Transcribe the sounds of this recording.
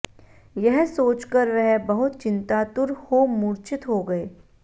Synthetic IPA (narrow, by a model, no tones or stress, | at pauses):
jɛɦsoːt͡ʃkəɾʋɛɦbɐɦʊt̪t͡ʃɪ̃nt̪aːt̪ʊɾhoːmuːɾt͡ʃʰɪt̪ɦoɡɐeː